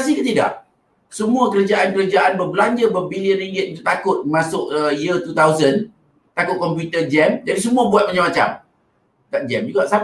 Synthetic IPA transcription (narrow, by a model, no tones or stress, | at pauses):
s̬ikət̪ida̰ʔ | səmũakəɾad͡ʒaʔankəɾad͡ʒaʔanbərblaɲd͡ʒəbərbiliəniŋɡɪt̪̚unt̪ʊʔ̚t̪akʊt̪̚masʊʔəjət̪ut̪ausən | t̪akʊt̪̚kɔmp̬jut̪ərd͡ʒɛmd͡ʒadis̬əmũabuat̪̚maɲamat͡ʃa̰m | daʔ̚d͡ʒɛmd͡ʒuɡaʔsa